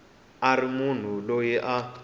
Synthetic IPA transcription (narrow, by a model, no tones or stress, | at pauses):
aɾimun̤ulojɛʔa